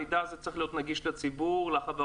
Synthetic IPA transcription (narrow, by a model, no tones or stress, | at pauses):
id̪azet͡sʁeχlijo̞t̪naɡiʃlet͡sibuʁlaχave